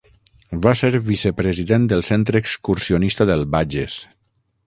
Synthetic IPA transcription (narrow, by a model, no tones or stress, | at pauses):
βaseɾβisəpɾəziðend̪əlˠsent̪ɾəːkskuɾsionist̪aðəlˠβaʒes